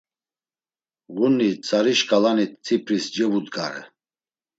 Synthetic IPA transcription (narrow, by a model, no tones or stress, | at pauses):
ɣunːit͡sʰʼaɾiʃkʼalanit̪̚ʰt͡sʰʼipʰɾisd͡ʒɛvud̪ɡa̰ɾɛ̰